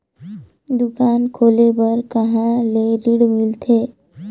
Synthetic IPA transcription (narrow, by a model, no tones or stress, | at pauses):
d̪ʊkaːnkʰoːlebəɾkəɦãleɾiɽmɪlt̪ʰe